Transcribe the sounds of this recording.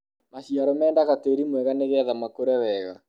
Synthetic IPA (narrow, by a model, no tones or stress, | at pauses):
maɕiaɾɔmɛːndaɣateɾimwɛɣaneɣɛðamakoɾɛwɛɣa